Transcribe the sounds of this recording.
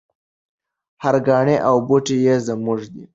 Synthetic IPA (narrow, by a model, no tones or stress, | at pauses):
haɾɡɑːɳeʔawbuʈejezəmuʐd̪i